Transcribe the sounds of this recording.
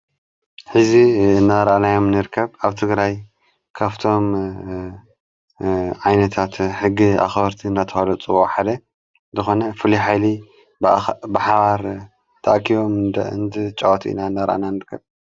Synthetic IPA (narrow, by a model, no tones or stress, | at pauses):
ħɨziɨnːaɾʔanajo̞mnɨɾkʰːɐβaβt̪ʰɨɡɾaj | kʰaβt̪ʰo̞m | ʕajnɐt̪ʰat̪ħɨɡːia̰xβɐɾt̪ʰinːat̪ʰɐwalɐt͡sʼɨβoħad̪ɐ | zɨxo̞nɐfɨliħajli | bɨħaβaɾ | t̪ʰɐʔakʰiβo̞mnd̪ɨ̰nd̪ɨt͡ʃʼɐwt̪ʰʔḭnaɨnːaɾʔa̰nanɨɾkʰːɐβ